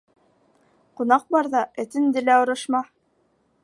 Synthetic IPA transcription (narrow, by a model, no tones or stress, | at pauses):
qunɑq̚bɑɾðɑʔɘ̆t̪ɘ̆nd̪ɘ̆læŏɾɤ̆ʃmɑ